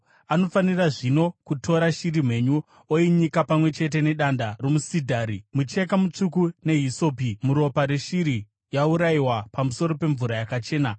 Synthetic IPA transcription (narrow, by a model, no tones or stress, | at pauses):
ano̞faniraʐino̞kutʰo̞ɾaʃiɾim̤we̞ɲu | oiɲikapamwe̞t͡ʃe̞t̬e̞ne̞ɗandaromusidʱaːɾimut͡ʃe̞kamut͡ʂukune̞ɦiso̞pimuɾo̞paɾeʃiɾi | jauɾaiwapamuso̞ɾo̞pe̞ɱvuɾajakat͡ʃe̞ːna